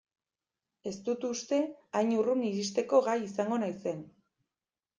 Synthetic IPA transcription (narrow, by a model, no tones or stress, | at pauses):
e̞st̪ut̪ust̪e̞ajɲuruniɾist̪e̞ko̞ɣajisaŋɡo̞najse̞n